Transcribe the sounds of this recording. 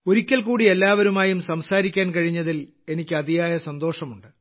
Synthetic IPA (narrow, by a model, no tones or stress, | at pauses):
oɾikʲːɐlkuːɽie̞lːaːʋɐɾumaːjumsɐmsaːɾikʲːaːnkɐɻiɲːɐðil | e̞nikʲːɨɐd̪ijaːjɐsɐnd̪o̞ːʂɐmuɳɖɨ